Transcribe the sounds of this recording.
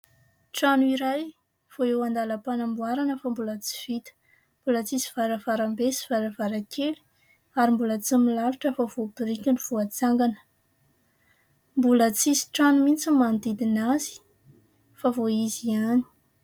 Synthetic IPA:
ʈ͡ʂanuiɾaj | v̥oewand̪aləpanambuaɾanəfambulət͡si̥v̥it̪ə̥ | mb̥ulət͡sisi̥v̥aɾəvaɾambesi̥vaɾəvaɾakʰeli̥ | aɾimbulət͡similaluʈ͡ʂəfav̥obiɾikʲanuv̥oat͡saŋɡanə̥ | mbulət͡sisi̥ʈ͡ʂanumint͡simand̪id̪inazi̥ | favoiziani̥

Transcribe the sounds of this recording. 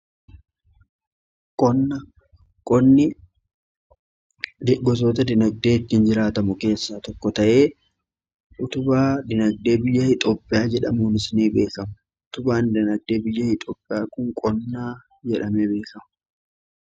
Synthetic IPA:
kʼɔnːɐ | kʼɔnːɪ | d̪ɪɡɔs̬oːt̪ɐd̪ɪnɐɡ̚d̪e̞ːɪt̪ːɪnd͡ʒɪɾaːt̪ɐmʊke̞ːsːaːt̪ɔkːɔt̪ɐʔeː | ʔʊt̪ʊbaːd̪ɪnɐɡ̚d̪e̞ːbɪjːɐhɪt̪ʼɔpʼːɪjaːd͡ʒɛᶑɐmuːnɪsniːbe̞ːkɐmʊ | ʊt̪ʊbaːnd̪ɪnɐɡ̚d̪eːbɪjːɐhɪt̪ʼɔːpʼːɪjaːkʊŋkʼɔnːaː | d͡ʒɛᶑɐmebe̞ːkɐmʊ

